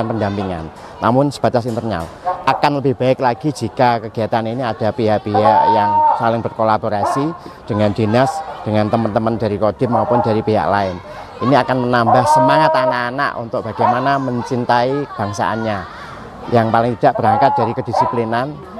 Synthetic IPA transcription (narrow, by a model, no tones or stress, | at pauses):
anpəndampiŋa̰nː | a̰mʊnsə̥b̥at̪asint̪ərna̰lʔakanləbɪhb̥aɪklaɡ̥id͡ʒikakəɡ̥i̤at̪aniniad̥apiɦaʔpiɦaʔjaŋsalɪŋbərkolaboɾasid̥əŋand͡ʒinasd̥əŋant̪əmənt̪əməndaɾikod̥ɪt̪̚maupʊndaɾipiɦa̰ʔlaɪn | ʔiniakanmənambahsəmaŋat̪anaʔːna̰ʔṵnt̪ʊk̚b̥a̤ɡ̥ajmanaməɲt͡ʃint̪aib̥aŋsa̰ʔa̰nɲa | jaŋpalɪŋt̪id̥aʔb̥əɾaŋkat̪̚d̥aɾikədisiplinan